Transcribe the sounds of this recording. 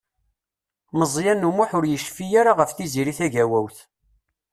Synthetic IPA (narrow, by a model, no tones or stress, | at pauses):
məzˤjænːumuħʊɾjəʃfijaɾaʁəfθiziɾiθæʝæwæwθ